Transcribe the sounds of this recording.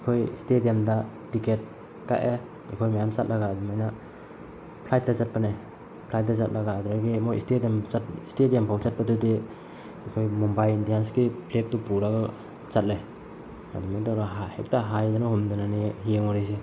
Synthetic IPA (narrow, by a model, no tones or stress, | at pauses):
ikʰojstedijamda | tiket̚ | ka̰ʔʔe | ikʰojmajamt͡ʃat̚lʔaɡaːdumajna | pʰlajt̚dazat̚pane | pʰlajt̚dazat̚laɡaːduɾaɡimojstediamatstedijampʰawt͡ʃat̚padudi | ikʰojmumbajlindijansɡipʰlek̚tupuɾaɡa | t͡ʃat̚le | a̰dumajtaɾaɦahek̚taɦajdanahumdunaniɦijeŋɔɾis̬e